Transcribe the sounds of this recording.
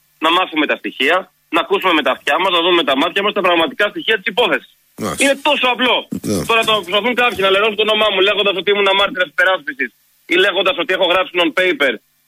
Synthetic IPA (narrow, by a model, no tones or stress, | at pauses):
nɐmɐθume̞t̪ɐst̪içiɐ | nɐkusume̞me̞t̪ɐft̪çɐmɐznɐðumme̞t̪ɐmɐt̪çɐmɐst̪ɐpɾɐɣmɐt̪ikɐst̪içiɐt̪isipo̞θe̞si̥s | ine̞t̪o̞so̞ɐplo̞t̪o̞ɾɐɐt̪opɾosɐθuŋkɐpçinɐleɾo̞sunt̪o̞no̞mɐmule̞ɣond̪ɐs̬ot̪iimunɐmɐɾt̪iɾɐsi̥spe̞ɾɐspisis | ile̞ɣo̞nd̪ɐso̞t̪ie̞xo̞ɣɾɐpsinonpe̞jpe̞ɾ